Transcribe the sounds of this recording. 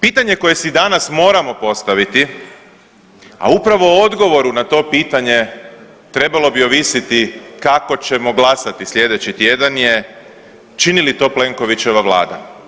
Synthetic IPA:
piːt̪aɲe̞ko̞je̞sid̪anasmo̞ːɾamo̞po̞st̪aʋit̪i | a̰upɾaʋo̞o̞d̪ɡo̞ʋo̞ɾunat̪o̞ːpiːt̪aɲe̞ | t̪ɾe̞balo̞bio̞ʋisit̪ikako̞t͡ɕe̞mo̞ɡlasat̪islʲje̞d̪e̞t͡ɕit̪je̞d̪anje̞ | t͡ʃinilit̪o̞ːple̞ŋko̞ʋit͡ɕe̞ʋaʋlˠa̰ːd̪a̰

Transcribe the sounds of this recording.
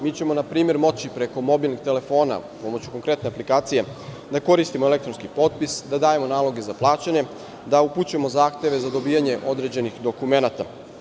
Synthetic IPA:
miːt͡ɕe̞mo̞napɾiːme̞ɾmo̞t͡ɕipɾe̞ko̞mo̞bilˠniɡ̚t̪e̞le̞fo̞ːna̰po̞mo̞t͡ɕu̥ko̞ŋkɾe̞t̪ne̞aplikaːt̪sije̞ | d̪ako̞ɾist̪imoele̞kt̪ɾo̞nskipo̞t̪̚pisd̪ad̪aːje̞mo̞naːlˠo̞ɡe̞zaplˠaːt͡ɕaɲe̞ | d̪auput͡ɕuemo̞zaːxt̪e̞ʋe̞zad̪o̞biːaɲe̞ʔo̞d̪ɾe̞d͡ʑe̞nixd̪o̞kume̞nat̪a

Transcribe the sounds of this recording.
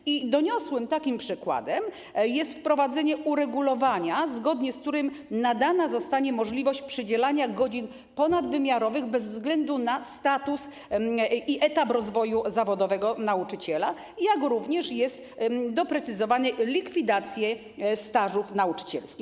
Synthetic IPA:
id̪ɔɲɔswɘmt̪akʲimpʂɘkwa̰d̪ɛm | jɛst̪fpɾɔvad̪zɛɲɛʔuɾɛɡulɔvaɲazɡɔd̪ɲɛsk̚t̪uɾɘmnad̪anazɔst̪aɲɛmɔʐlʲivɔɕt͡ɕpʂɘd͡ʑɛlaɲaɡɔd͡ʑin | pɔnad̪vɘmʲjaɾɔvɘɣbɛzvzɡlɛnd̪unast̪at̪us | iʔɛt̪apɾɔzvɔjuzavɔd̪ɔvɛɡɔnaut͡ʂɘt͡ɕɛla | jakɾuvɲɛʂjɛst̪d̪ɔpɾɛt̪sɘzɔvanɘlʲikfʲid̪at̪sʲjɛ | st̪aʐufnaut͡ʂɘ̥t͡ɕɛ̰lskʲix

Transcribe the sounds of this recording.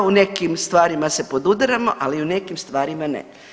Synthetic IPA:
une̞kimst̪ʋaːɾimase̞po̞d̪ud̪ɾamo̞ʔaliune̞kimst̪ʋaːɾimanḛ

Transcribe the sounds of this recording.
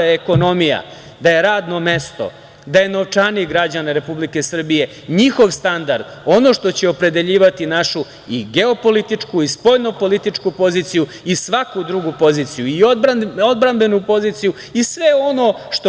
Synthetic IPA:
aeko̞no̞mija̰ | d̪aje̞ɾaːd̪no̞me̞st̪o̞̰ | d̪aje̞no̞ʋt͡ʂaniɡɾad͡ʑaneɾe̞publike̞sr̩bije̞ | ɲixo̞ʋst̪and̪aɾd̪o̞no̞ʃt̪o̞t͡ɕeopɾe̞d̪e̞ʎiːʋat̪inaʃu | iɡe̞o̞po̞lit̪it͡ʂkuispo̞ʎno̞po̞lit̪it͡ʂkupo̞ziːt̪siju | isʋakud̪ɾuɡupo̞ziːt̪sijuiood̪bɾanbe̞nupo̞zit̪siju | isʋe̞o̞no̞ʃt̪o

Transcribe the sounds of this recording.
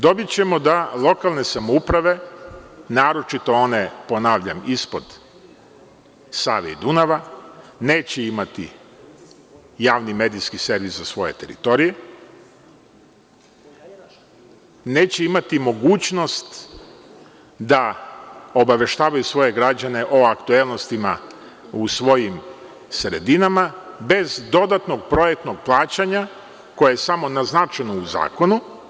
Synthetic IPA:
d̪o̞bit͡ɕe̞mo̞d̪alˠo̞kalˠne̞samoupɾaʋe̞ | naːɾo̞t͡ʃit̪o̞o̞ne̞po̞naːʋʎamispo̞d̪ | sa̰ːʋeḭd̪unaʋaneːt͡ɕeimat̪ḭ | jaːʋnime̞ːd̪iskise̞ɾʋiszasʋo̞je̞̰t̪e̞ɾḭt̪o̞ɾije̞ | ne̞ːt͡ɕe̞imat̪imo̞ɡuːt͡ɕno̞st̪ | d̪a | o̞baʋe̞ʃt̪aːʋajusʋo̞je̞ɡɾad͡ʑane̞ʔo̞akt̪uelˠno̞st̪ima̰ | usʋo̞jim | sɾe̞̰d̪inama | be̞zd̪o̞d̪at̪no̞ɡ̚pɾo̞jek̚t̪no̞ɡ̚plˠaːt͡ɕaɲa | ko̞jejesamo̞naznat͡ʃenouza̰ːko̞nu

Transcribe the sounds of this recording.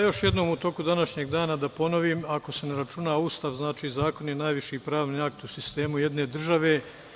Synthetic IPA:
jo̞ʃje̞d̪no̞ːmut̪o̞ːkud̪anaʃɲeːɡd̪aːnad̪apo̞no̞ʋimako̞se̞neɾat͡ʃunaust̪aʋznaːt͡ʃiːzaːko̞njenajʋiʃiːpɾaːʋniakt̪usist̪e̞ːmuje̞d̪ne̞ːd̪r̩ʒaʋe̞ː

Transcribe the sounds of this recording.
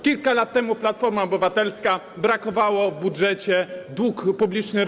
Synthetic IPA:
kʲilkalat̪ːɛmuplat̪fɔɾmaɔbɘvat̪ɛlska | bɾakɔvawɔvbudʐɛt͡ɕɛd̪wukpublʲit͡ʂnɘ

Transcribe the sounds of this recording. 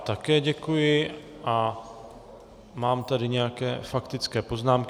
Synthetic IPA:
t̪akɛːɟɛkujɪ | ʔa | maːmt̪adɪɲɛjakɛ̰ːfakt̪ɪt͡skɛːpo̞znaːmkɪ

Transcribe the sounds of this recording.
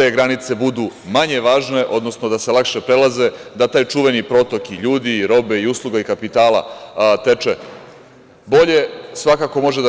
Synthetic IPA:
t̪e̞ɡɾanit̪se̞bud̪umaɲe̞ʋaːʒne̞ʔo̞d̪no̞snod̪aselˠakʃe̞pɾelaze̞d̪at̪aːjt͡ʃuʋe̞nipɾo̞t̪o̞kiʎuːd̪iːɾo̞be̞iuslˠuɡaikapit̪aːlˠa̰t̪e̞t͡ʃe | bo̞ʎe̞sʋakako̞mo̞ʒed̪

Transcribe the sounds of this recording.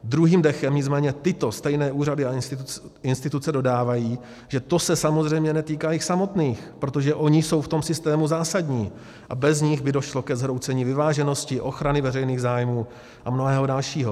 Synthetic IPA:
d̪ɾuɦiːmdɛxɛmɲɪt͡smɛːɲɛt̪ɪt̪o̞st̪ɛjnɛːʔuːradɪaɪnsɪnst̪ɪt̪ut͡sɛdo̞daːvajiː | ʒ̥ɛt̪o̞sɛsamo̞zr̝ɛjmɲɛnɛt̪iːkaːjɪxsamo̞t̪niːxpɾot̪o̞ʒɛʔo̞ɲɪso̞wft̪o̞msɪst̪ɛːmuzaːsadɲiː | ʔabɛzɲɪɣbɪdo̞ʃlo̞kɛzɦɾo̞wt͡sɛɲiːvɪvaːʒɛno̞scɪʔo̞xɾanɪvɛrɛjniːɣzaːjmuː | ʔamno̞ɦɛːɦodalʃiːɦo

